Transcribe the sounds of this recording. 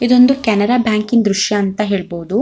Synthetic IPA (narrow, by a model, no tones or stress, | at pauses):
id̪o̞nd̪ukʲɛnɐɾaːbjaːŋkind̪ɾuʃjɐːnt̪ɐɦe̞ːɭboːd̪u